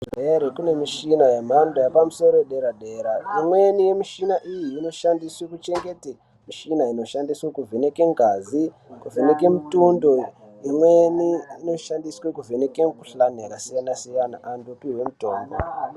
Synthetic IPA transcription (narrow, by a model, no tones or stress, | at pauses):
ʐeɾekune̞miʃinajem̤andojapamuso̞ɾoɗe̞ɾaɗe̞ːɾaimwe̞nije̞miʃinaʔijiːno̞ʃandiswekut͡ʃe̞ŋɡe̞te | miʃinaino̞ʃandiswekuvʱenekeŋɡʱazi | kuvʱenekemutundo̞ | imweniino̞ʃandiswekuvʱenekekuɬaneɾasijanasijana̰ʔandupiwemuto̞ːmbo̰